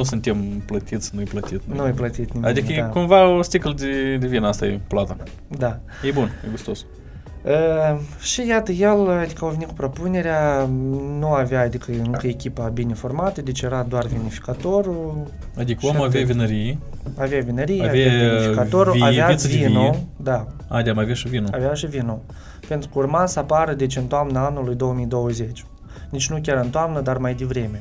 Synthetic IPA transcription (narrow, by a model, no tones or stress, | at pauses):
nusunt̪emplət̪it̪sʲnuejplət̪it̪nnuejplət̪it̪nʲimʲad̪ikəekumvaost̪ikld̪ed̪evinast̪ajeplat̪a | d̪a | jebunjeɡust̪os | əʃijat̪əjelad̪ikəawvenit̪kupɾo̞pune̞ɾea | nuaveaːd̪ikəɨŋkəekʲipabinʲefo̞rmat̪əd̪et͡ʃjeɾad̪oarvenifi̥kat̪o̞ɾu | ad̪ikəamavʲavʲinəɾijeaveavinəɾijeavaeifikkaoɾuaeavinod̪a | ad̪ʲamavʲaʃivinoaveaʃivino | pe̞nt̪ɾukəurmasapaɾəd̪et͡ʃʲɨnt̪oamnaanulujd̪o̞wəmijd̪o̞wəzet͡ʃʲ | nit͡ʃʲnukʲaɾɨnt̪oamnəd̪armajd̪evɾe̞mʲe̞